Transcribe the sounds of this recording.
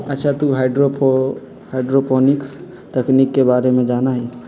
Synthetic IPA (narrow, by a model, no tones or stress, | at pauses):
ətːʃʰat̪uɦaɪɖɾopʰ | haɪɖɾopɔniks | t̪əknikːebaːɾemẽd͡ʒaːnaɦi